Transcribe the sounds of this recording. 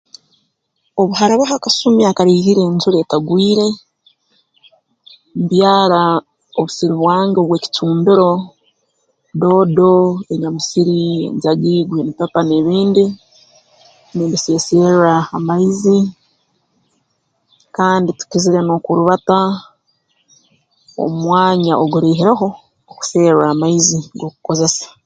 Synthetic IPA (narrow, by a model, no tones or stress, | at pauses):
o̞βuhaɾaβaɦakasumiakaɾiːhiɾe̞ːɲzuɾe̞taɡwiːɾe̞ | muβjaːɾa | oβusiɾiβwaːŋɡo̞βwe̞ːci̥tuːmbiɾo̞ | do̞ːdo̞e̞ɲamusiɾie̞̰ɲzaɡiɡwenipapaneβiːndi | nindise̞seaamaizi | kaːnditu̥ciziɾe̞no̞ːkuɾuβata | o̰mwaːɲaʔoɡuɾeɦiɾeɦo̞ː | ku̥se̞ːɾaːmaiziŋɡo̞kuko̞ze̞sḁ